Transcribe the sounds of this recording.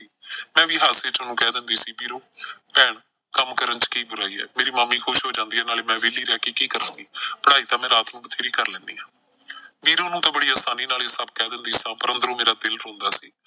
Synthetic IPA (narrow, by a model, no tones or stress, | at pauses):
iːmɛ̃ːʋiːɦaːseːt͡ʃʊnũːkɛːd̪ɪnd̪iːsiːbiːɾõːpɛːɳ | kəmkəɾənt͡ʃkiːbʊɾaːiːɛ̰ːmeːɾiːmaːmːiːkʰʊʃɦoːd͡ʒãːnd̪iːaːnaːleːmɛ̃ːʋɪːliːɾɛːkeːkiːkəɾãːŋɡiːpəɽaːiːt̪ãːmɛ̃ːɾaːt̪nũːbət̪ʰeːɾiːkəɾlɛ̃ːnd̪iːaː | ʋiːɾõːnũːt̪ãːbəɽiːaːsaːniːnaːleːsəb̚kɛːd̪ɪnd̪iːsãːpəɾə̃nd̪əɾõːmeːɾaːd̪ɪlɾõːnd̪aːsiː